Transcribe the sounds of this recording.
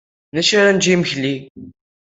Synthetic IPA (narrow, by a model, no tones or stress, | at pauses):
næʃaɾand͡ʒiməçli